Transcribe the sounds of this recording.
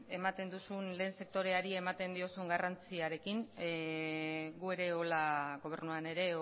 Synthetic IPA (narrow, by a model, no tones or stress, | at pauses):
e̞mat̪e̞nd̪usunle̞ːnse̞k̚t̪o̞ɾe̞aɾie̞mat̪e̞nd̪io̞suŋɡarant͡siaɾe̞kiŋ | ɡue̞ɾe̞o̞laɣo̞β̞e̞ɾnuane̞ɾe̞